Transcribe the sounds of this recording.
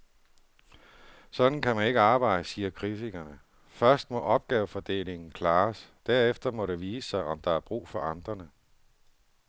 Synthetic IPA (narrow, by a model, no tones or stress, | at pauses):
sɒ̽d̥n̩kʰæmæne̝ɡ̥əɑ̈ːb̥ɑ̈ɪ̰d̥əsiːɐkʰʁit͡sʰiɡ̥ɐnə | fɶɐsd̥mɒ̽ʔɒ̽b̥̚ɡ̥ɛːʊəfɒ̽d̥e̝̰ːle̝ŋn̩kʰlɑ̈ːsd̥æɐ̰efd̥ɐmɒ̽ɾe̝ʋiːsːɑ̈ɪʔɒ̽md̥ɑ̈æɐb̥ʁṵːfɒ̽ʔɑ̈nd̥ʁɐnə